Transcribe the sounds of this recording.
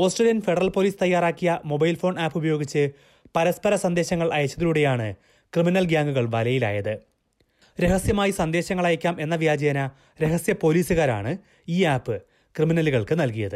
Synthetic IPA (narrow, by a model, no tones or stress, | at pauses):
o̞ːsʈreːljɐnfe̞ɽɐrɐlpo̞ːliːst̪ɐjːaːraːkːijɐmo̞bɐjlfo̞ːɳaːpːubɐjo̞ːɡit͡ɕːɨ | pɐɾɐspɐɾɐsɐnd̪e̞ːɕɐŋːɐɭɐjɐt͡ɕːɐðiluɽe̞jaːɳɨ | krɨminɐlɡjaːŋɡuɣɐɭʋɐlɐjila̰ːjɐðɨ | ɾe̞ɦɐsjɐmaːjisɐnd̪e̞ːɕɐŋːɐɭɐjɐkʲːaːme̞nːɐʋjaːd͡ʑɐjɐnɐ | ɾe̞ɦɐsjɐpo̞ːliːsɨɣaːɾa̰ːɳɨ | iːaːpːɨ | krɨminɐluɣɐɭkɨnɐlkijɐðɨ